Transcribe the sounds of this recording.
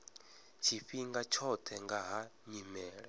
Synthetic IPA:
t͡ʃʰiɸiŋɡat͡ʃʰɔt̪ʰɛŋɡaɦaɲimɛːɺɛ

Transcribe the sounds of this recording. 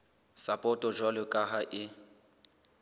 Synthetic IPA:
sapʼɔtʼɔd͡ʒwalʊkʼaɦaʔɪ

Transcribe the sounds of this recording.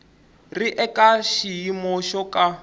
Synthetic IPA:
riʔɛkʼaʃijimɔʃɔka

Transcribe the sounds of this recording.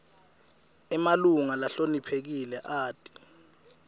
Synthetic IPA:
ɛmaluŋalaɬonipʰek̬ilɛʔaːtʼi̥

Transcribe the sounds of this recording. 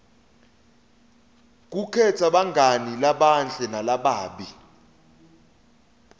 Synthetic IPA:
k̬ukʰɛtʰaɓaŋɡʱanilaɓanɬʼɛnalaɓaːɓi

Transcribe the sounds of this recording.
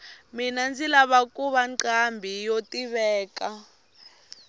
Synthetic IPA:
minand͡zilaβakuβaǃambʱijotiβɛːka

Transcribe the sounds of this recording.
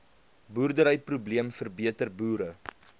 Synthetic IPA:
buːrdəɾəjprubliəmfərbiətərbuːɾə

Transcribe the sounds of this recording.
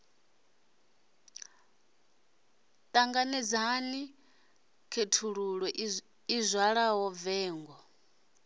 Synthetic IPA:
t̪ʼaŋɡanɛd͡zani | kʰetʰuɺuɺwɛ | izʷwaɺaɦɔvɛːŋɡɔ

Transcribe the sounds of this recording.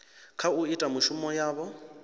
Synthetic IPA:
kʰauitʼamuʃumɔjaːβɔ

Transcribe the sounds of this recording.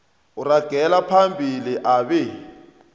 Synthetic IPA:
uraɡ̥ʱɛlapʰambʱiliʔaβɛ

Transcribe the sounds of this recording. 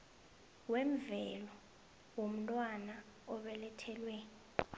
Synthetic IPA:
wɛɱvɛlɔ | wom̩tʼwana | ɔɓɛlɛtʰɛlwɛ

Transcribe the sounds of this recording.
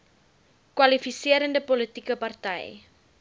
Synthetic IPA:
kwɐlifisiəɾəndəpolitikəpɐrtɛ̰j

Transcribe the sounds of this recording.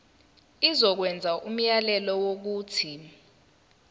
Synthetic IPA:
izɔk̬wɛnd͡zʱaʔum̩jalɛlɔwok̬uːtʰi

